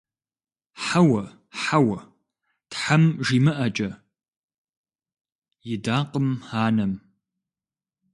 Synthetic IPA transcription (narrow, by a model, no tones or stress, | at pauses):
ħawɐ | ħawɐ | tħamʒiːmɨʔɐt͡ʃʼɐ | jɪdaːqəmaːnɐm